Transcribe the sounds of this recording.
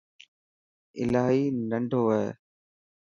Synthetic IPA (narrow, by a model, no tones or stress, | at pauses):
ɪ̰laːɦiːnəɳɖʱoːʋəḛː